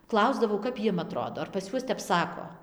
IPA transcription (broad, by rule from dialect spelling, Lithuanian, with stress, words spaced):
ˈklˠɐʊzdɐʋɐʊ kɐp ˈjiɛm ɐˈtroːdoː ɐr pɐs ˈjuɔs tʲɛp ˈsɑːkoː